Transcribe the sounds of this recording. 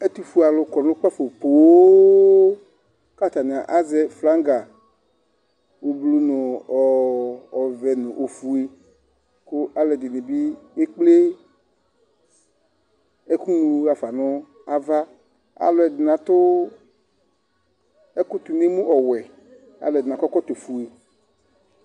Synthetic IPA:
e˦t̪u˦fu˦a˨lʊ˨kɔ˨nʊ̃˦k͡pa˦fo˨k͡po˨wo˦ | ka˦˨t̪a˨ni˨a˨ʔa˦zɛ˦fla˦ŋɡa˨ | wo˨blu˦nʊ̃˨ɔ˨ɔ˨vɛ˨nʊ̃˨ʔo˨fu˨e˨ | kʊ˦ʔa˦lɛ˨dɪ˨nɪ̃˨bi˦e˦k͡ple˦ | ɛ˦ku˦nũ˧a˨fa˨nʊ˦ | a˦va˦ | a̰˨lɔ˨˦ɛ˨dɪ˨nã˨t̪ʊ˦ | ɛ˦kʊ˦t̪u˨ne˦mũ˦ʔɔ˨wɛ˨ | a̰˨lɛ˨dɪ˨nã˨kɔ˦kɔ˦t̪o˨fu˨e˨

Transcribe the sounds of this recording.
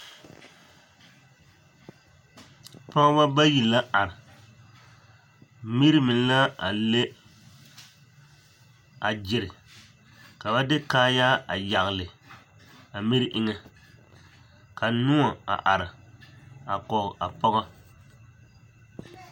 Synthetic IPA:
pɔ˦ɣa˦ba˦ba˦ji˨la˦ʔa˨ɾɪ˨ | mi˦ɾi˦mɪ˨n˦la˦a˨le˦ | a˨d͡ʒɪ˨ɾɪ˨ | ka˨ba˦dɪ˦kaː˦ja˦a˨ja˨ɣlɪ˨ | a˨mi˦ɾʔɪ˦ŋɛ˦ | ka˨nu˦a˨a̰˨ʔa˨ɾɪ˨ | a˨kɔ˨ɣa˨pɔ˦ɣa˦

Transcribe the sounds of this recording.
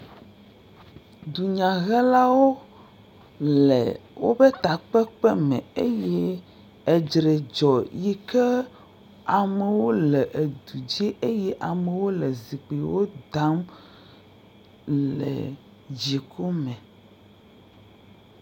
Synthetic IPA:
d̪u˨ɲã˨ɣɛ˦la˦wo˦ | lɛ̰˨wo˦be˦t̪a˨k͡pɛ˦k͡pɛ˦mɛ̃˨e˦jɛ˦ | e˨d͡ʒɾe˨d͡ʒɔ˨ji˦kɛ˦ | a˨mɛ˨wo˦lɛ˨ʔe˨d̪u˨d͡ʑi˦ʔe˦jɛ˦ʔa˨me˨wo˦le˨zi˨k͡pi˨wo˦d̪a˦m | lɛ̰˨ | d͡ʑi˨kʰo˦mɛ̃˨

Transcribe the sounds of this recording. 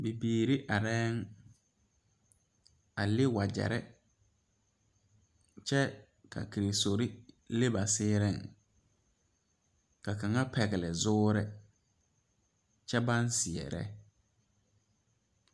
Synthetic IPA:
bi˨biː˨ɾi˦ʔa˨ɾɛː˦ŋ | a˨lɪ˦wa˨d͡ʒɛ̰˨ɾɛ˦ | t͡ʃʰɛ˦ | kʰa̰˨kʰi˨ɾe˨so˨ɾi˦ | le˦ba˨sɪː˦ɾɪ˦˨ŋ | ka˨kã˨ŋa˦pʰɛ˨ɣɪ˨lɪ˨zʊː˦ɾɪ˦ | t͡ʃʰɛ˦bã˦nsɪ˨ɛ̰˨ɾɛ̰˦

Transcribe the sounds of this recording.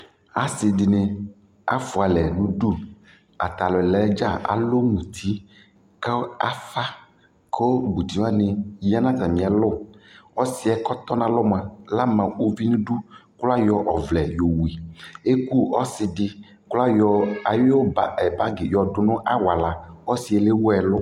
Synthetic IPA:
a˨sɪ˨di˨nẽ˨ | a̰˦fʊ˨a˨lɛ˨nũ˦ɖu˦ | a̰˨t̪a˨lɔ˨ɛ˨lɛ˨˦d͡ʒa˦˨ʔa̰˨lo˦mũ˨t̪ʰi˦ | ka˦a˦fa˦ | kʰo˦ɡ͡bu˨t̪i˨˦a˦nẽ˨ja˦nã˦t̪a˨mĩ˨a˨lʊ˦˨ɔ˦si˦ɛ˨kɔ˦t̪ɔ˦nã˦lɔ˦m˨ã˨la˦mã˨o˦vi˦nũ˦ɖu˦kla˦jɔ˨ʔɔ˨vlɛ˨jo˨wi˨e˦ku˦ɔ˦sɪ˨ɖɪ˦ | kla˦jɔ˨a˨jo˦o˦ba˨ɛ˨ba˦ɡɪ˨jɔ˨dʊ˨nʊ̃˦ʔa˦wa˨la˨ɔ˦si˨ɛ˨le˦wɛ˨lʊ˦

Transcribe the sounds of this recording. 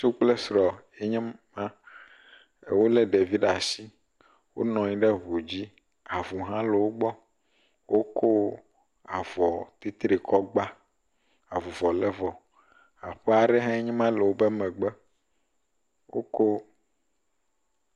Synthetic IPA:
ʃu˦k͡plɛ˦sɾɔ˨ | e˦ɲɛ̃˦mã˦ | e˨wo˦lɛ˦ɖe˨vi˦ɖa˨si˦ | wo̰˦nɔ̃˨ɲĩ˦ɖɛ˦βu˨d͡ʑi˦ | a˨vu˨ɦã˦lɛ˨wo˦ɡ͡bɔ˦ | wʔo˦kʰo˦ | a˨vɔ˨t̪i˦t̪ɾe˨kʰɔ˦ɡ͡ba˦ | a˨vu˨vɔ˨lɛ˦vɔ˨ | a˨ɸɛ˦a˨ɖɛ˦ɦã˦e˦ɲɛ̃˦mã˦lɛ˨wo˦bɛ˦mɛ̃˨ɡ͡bɛ˦ | wo̰˦ko˦

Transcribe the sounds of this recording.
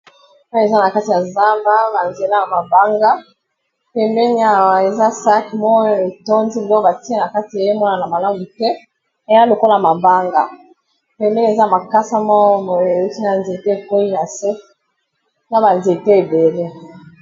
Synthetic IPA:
mɔ˦e˨za˦na˨ka˦ti˨ja˨za˦mba˦ba˨nze˨la˦a˨ma˨ba˦ŋɡa˦ | pɛ˨mbɛ˦ni˦a˦˨e˨za˦sa˦ki˨mɔ˦e˨to˦nzi˦˨lɔ˦ba˨ti˦e˦na˨ka˦ti˨e˨je˦mɔ˦na˨na˨ma˨la˦mu˨tɛ˦ | e˨˦a˦lo˨ko˦la˨ma˨ba˦ŋɡa˨ | pɛ˨mbɛ˦n˦e˨za˦˨ma˨ka˦sa˦mɔ˦mo˨e˨u˦ki˦na˨nze˨te˦e˨ko˦ji˦na˨se˦ | na˦ba˨nze˨te˦e˨be˨le˦

